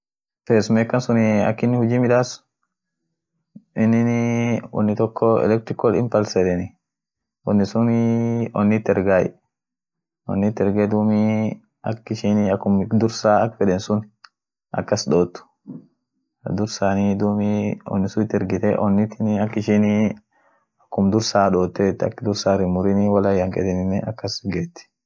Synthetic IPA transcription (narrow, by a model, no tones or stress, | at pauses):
feːsʊmeːkːɐnsʊnɪɐ̰kːɪnːɪhʊd͡ʒiːmɪᶑ̪aːsʊ̥ | ɪnːɪnwɔ̰nːɪt̪ɔkʰːɔɛ̰lɛk̚t̪ɾɪkɔlɪ̰mpɐlsɛd̪ɛnɪ | wɔnːɪsʊnɔnːɪt̪ːɛɾɡaːj | ɔ̰nːɪt̪ːɛɾɡed̪uːmi | ɐ̰kːɪʃinɐkːʊmd̪ʊɾsaːɐkːfɛᶑɛnsʊn | ʔɐ̰kːɐsᶑoːt̪ːʊ̥ | d̪ʊɾsaːnid̪umiɔ̰nːɪsʊɪt̪ːɛɾɡɪt̪ɛ̰ʔɔnːɪt̪ɪnɐkːɪʃini | ɐkːʊmd̪ʊɾsaːᶑoːt̪ːeːt̪ːɐ̰kːd̪ʊɾsaːɾɪmʊɾɪnɪwɐlɐjːɐŋkʼɛ̰d̪ɛnɪnːɛɐkːɐsɡeːt̪ːɪ̥